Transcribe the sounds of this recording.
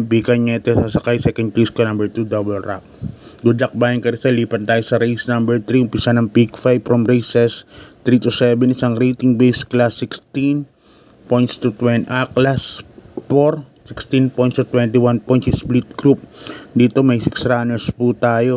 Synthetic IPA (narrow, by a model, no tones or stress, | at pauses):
biːkɐɲɲɐɪt̪osasɐkajsɛkɐnd̪̚kiskonɐ̃mbɛɹt̪ud̪obɛlɾap̚ɡud͡ʒɐk̚baːjɐnkɐɾɪsɐliːpɐnt̪aːjosɐɾejsnɐmbɛɹt̪ɾihʊmpisanɐŋpikfajb̚fɹɐmɾejsɛst̪ɾit̪usɛbɛnɪsaŋɾejt̪ɪŋbejsklasːɪkst̪in | pojnt̪st̪ut̪wɛnʔaklasfoɾ | sɪkst̪inpojt̪st̪ut̪wɛnt̪ɪwanpojt̪sisplit̪̚ɡɾup̚d̪iːt̪o̞mɐjsɪksɾanɛɹsput̪aːjo̞